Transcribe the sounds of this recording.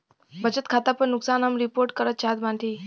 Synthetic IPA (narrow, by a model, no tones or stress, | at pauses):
bʱəd͡ʑət̪kʰat̪apəɳnuksanɦəmɾipoɾʈkəɾət̪̚t͡ɕaɦt̪maɳʈiː